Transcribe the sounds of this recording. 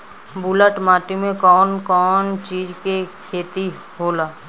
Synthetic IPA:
buləʈmaːʈimẽkɔːnkɔːnt͡ʃiːd͡ʒkekʰeːt̪i | ɦoːlaː

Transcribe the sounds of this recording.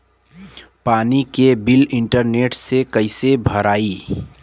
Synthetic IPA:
paːnikebɪlɪ̃ɳʈəɾneːʈsekəɪsebʱəɾaːiː

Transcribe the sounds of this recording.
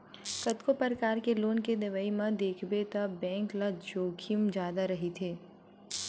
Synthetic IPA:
kɐt̪kopəɾkaːɾkeloːnkenɪʋəimãd̪eːkʰbet̪abɛ̃ːŋklad͡ʒoːkʰimd͡ʒjaːd̪aɾɐɦit̪ʰeː

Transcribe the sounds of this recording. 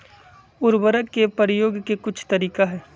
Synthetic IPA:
ʊɾbəɾəkːepəɾəjoːɡkekʊt͡ʃʰt̪ɐɾiːkaɦɛː

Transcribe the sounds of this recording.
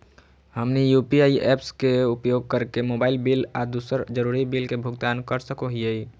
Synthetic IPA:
həmnijupiaiʔeːpskeupjoɡ̚kəɾkemobaːɪlbilad̪usəɾd͡ʒəɾuːɾibilkebʱʊɡt̪aːnkəɾsəkoɦijei

